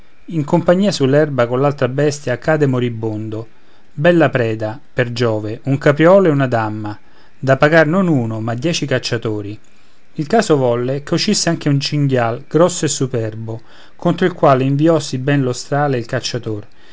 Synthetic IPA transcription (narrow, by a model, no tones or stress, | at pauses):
iŋkompaɲːiːasulːɛrbakonlalt̪ɾabɛst̪jaːkːaːd̪emoɾibːond̪o | bɛlːapɾɛːd̪aperd͡ʒɔːveuŋkapɾiɔːlɛunad̪amːa | d̪apːaɡarnonuːnomad̪jɛːt͡ʃikat͡ʃːat̪oːɾi | ilkaːsovɔlːekeut͡ʃːisːeaŋk̟eunt͡ʃiŋɡjalɡ̥ɾɔsːoesːupɛrbo | kont̪ɾoilkwaːleiɱviɔsːibɛnlost̪ɾaːleilkat͡ʃːat̪or